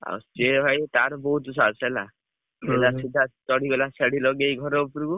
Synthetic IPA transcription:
a̰steɦɔjt̪aɾɔbɔɦut̪sasela | ed̪asid̪ʱat̪ɔɽiɡɔlasaɽilɔɡejɡʱɔɾɔupɾuku

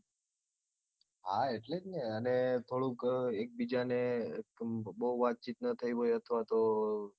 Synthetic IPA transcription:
ɦaeʈled͡ʒneənet̪ʰoɽũkek̚bid͡ʒanekboɦuʋat̪̚t͡ʃit̪nət̪ʰəiɦojət̪ʰʋat̪o

